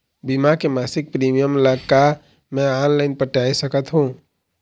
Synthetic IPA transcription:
bimakemaːsɪk̚pɾiːmijəmləɡka | mɛ̃aːnlaɪnpəʈaːisəkət̪ɦũː

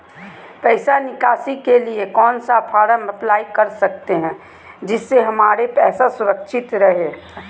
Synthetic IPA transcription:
pɛɪsanɪkaːsikeliekɔːnsapʰaːɾamɪplaːikɐɾsɐk̚t̪eɦɛ̃ | d͡ʒɪsːeɦɐmaːɾepɛːsasʊɾəkʃɪt̪ɾɐɦeː

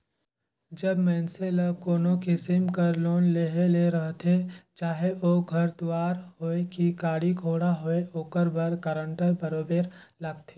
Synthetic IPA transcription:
d͡ʒəbmɛːnseləkoːnõkɪsɪmkəɾloːnleɦeleɾəɦt̪ʰet͡ʃaːɦeoːɡʱɐɾd̪ʊwaːɾɦoːekikaːɽiɡʱoːɽaɦoeoːkəɾbəɾkəɾəɳʈəɾbəɾoːbeːɾləɡt̪ʰe

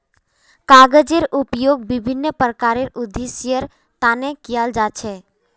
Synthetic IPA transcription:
kaɡəd͡ʒeɾupjoɡ̚bɪbʱinːəpɾəkaɾeɾʊd̪isjəɾ | t̪anekijald͡ʒat͡ʃʰɛ

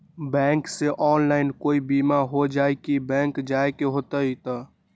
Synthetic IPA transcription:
bɛ̃ːŋkseʔɔːnlaːɪnkoːibiːmaɦod͡ʒaːekibɛ̃ːŋkd͡ʒaːekeɦoːt̪əit̪ə

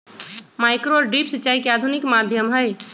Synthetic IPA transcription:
maːɪkɾoɔɾɖiːpsət͡ʃːaːikeaːd̪ʱunɪkmaːd̪ʱjəmɦəe

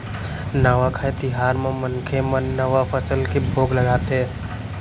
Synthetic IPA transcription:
naːʋakʰaet̪ɪɦaːɾmẽmənkʰemə̃nːəʋapʰəsəlkebʱoːɡləɡaːt̪ɦɛː

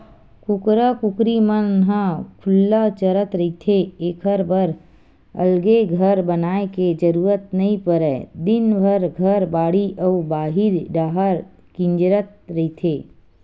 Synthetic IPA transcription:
kʊkɾəkʊkɾimənɦãkʰʊlːat͡ʃəɾət̪ɾəit̪ʰeeːkʰəɾbəɾ | ə̰lɡeɡʱəɾbənaːeked͡ʒəɾuːɾət̪nəɦĩpəɾɛd̪ɪnbʱəɾɡʱəɾbaːɽiʔəubaːɦɪɾɖaːɦəɾ | kɪ̃ɲd͡ʒɾət̪̚ɾəɦit̪ʰeː

